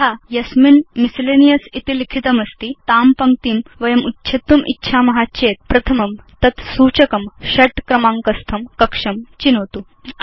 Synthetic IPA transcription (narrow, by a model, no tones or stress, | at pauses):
ɦajɐsminmisilenijɐsit̪ilikʰit̪ɐmɐst̪iːt̪aːmpɐŋ̚t̪iːmʋɐjɐmutːɕʰet̪ːumʔḭtːɕʰamɐɦaɕet̪̚pɾɐt̪ʰɐmɐmt̪ɐt̪suːt͡ɕɐkɐmɕɐʈkɾɐmãŋkɐst̪ʰɐmkɐkʂɐmt͡ɕinot̪u